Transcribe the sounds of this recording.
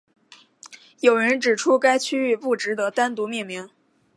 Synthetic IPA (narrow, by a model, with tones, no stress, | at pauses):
jo˨˩ʊɻə˧˥nʈ͡ʂɻ̩˨˩ʈ͡ʂʰu˥ka˥ɪt͡ɕʰy˥y˥˧pu˥˩ʈ͡ʂɻ̩˧˥d̪ə˨t̪a˥nt̪u˧˥mi˥˩ŋmi˧˥ŋ